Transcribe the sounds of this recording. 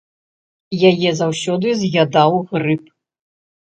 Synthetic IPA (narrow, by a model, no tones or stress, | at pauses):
jajɛzawsʲɔd̪ɨzʲɣʲad̪awɣrɨp̚